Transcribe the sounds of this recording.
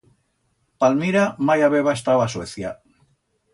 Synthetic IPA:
palmiɾamajaβeβaest̪aβaːsweθja

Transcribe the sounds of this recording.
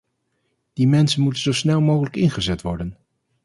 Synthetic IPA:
d̥imɛnsənmutənzowsnɛlˠmowχələkɪnχəzɛtʋɔɹdən

